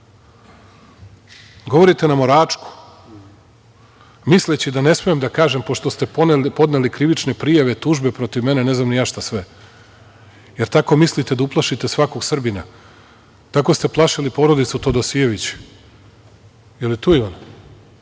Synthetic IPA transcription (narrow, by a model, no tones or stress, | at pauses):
ɡo̞ʋo̞ɾit̪e̞namo̞ɾaːt͡ʃku̥ | mislet͡ɕid̪ane̞smijemd̪akaːʒe̞mpo̞ʃt̪o̞st̪e̞po̞d̪ne̞likɾiʋit͡ʃne̞pɾijaʋet̪uːʒbe̞pɾo̞t̪iʋme̞ne̞ne̞znamnijaːʃt̪asʋe̞ | jeɾt̪ako̞mislit̪e̞d̪auplˠaʃit̪e̞sʋako̞ɡsr̩bina | t̪ako̞st̪e̞plˠaʃilipo̞ɾo̞d̪it̪sut̪od̪osijeʋit͡ɕi̥ | jelit̪uːiʋan